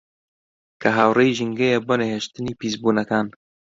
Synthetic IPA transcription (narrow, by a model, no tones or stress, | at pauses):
kʰɐɦaːwrejʒɨŋɡejeboneheʃt̪ɨniːpiːzbuːnɐkaːn